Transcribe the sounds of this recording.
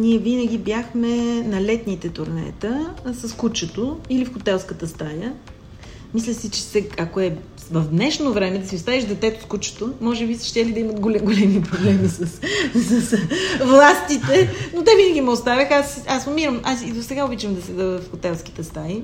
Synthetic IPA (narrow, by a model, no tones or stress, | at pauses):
niɛvinəɡ̟ibjaxmɛnɐlɛt̪nit̪ɛt̪oɾnɛ̰t̪əsɐskut͡ʃot̪oilifxot̪ɛlˠskət̪əst̪ajə | mislʲəsit͡ʃɛ̥sɛakoɛ | vɐvd̪nɛʃnovɾɛmɛd̪ɐsiost̪aviʃd̪ɛt̪ɛt̪ʊ̥skut͡ʃo̥t̪omɔʒɛbisi̥ʃt̪ɛlid̪ɐimət̪ɡolɡolɛmipɾoblɛmisəssəsvlˠast̪it̪ɛnot̪ɛvinəɡʲimɛost̪avʲəxasasmomiɾəmasid̪osɛɡaobit͡ʃəmd̪ɐsɛd̪əvəfxot̪ɛlˠsk̟i̥t̪ɛst̪aji